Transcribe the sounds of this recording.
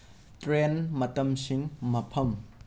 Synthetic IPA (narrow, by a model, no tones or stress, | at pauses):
tɾenmɐt̪ɐmsiŋmɐpʰɐm